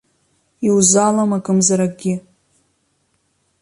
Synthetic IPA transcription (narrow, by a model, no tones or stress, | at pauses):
iwzalamakʼɨmzaɾaɡʲɪ